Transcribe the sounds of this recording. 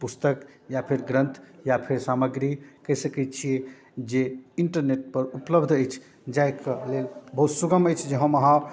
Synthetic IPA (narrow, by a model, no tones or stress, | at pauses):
pust̪ək | japʰeɾɡɾə̃nt̪ʰjapʰeɾsaməɡɾikəɦisəkɛtt͡ʃʰie | d͡ʒeiɳʈəɾneʈ̚pəɾupləbd̪ʱəjt͡ʃʰ | d͡ʒajkelelbəɦut̪suɡəməjt͡ʃʰd͡ʒəɦə̃məɦã